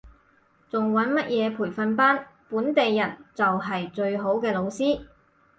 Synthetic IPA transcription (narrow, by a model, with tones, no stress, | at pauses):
t͡sʊ˨ŋwɐ˨˥nmɐ˥t̚jʔɛː˨˧pʰuː˨˩jfɐ˧npaː˥npuː˨˥nt̪e˨jːɐ˨˩nt͡sɐ˨wɦɐ˨jt͡ʃɵ˧ɥɦo˨˥wkɛː˧lo˨˧wsiː˥